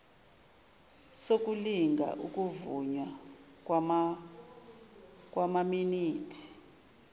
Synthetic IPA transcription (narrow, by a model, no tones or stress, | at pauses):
sok̬ʼuliŋɡʱa̰ʔuk̬ʼuvuɲwa | k̬ʼwamaminiːtʰi̥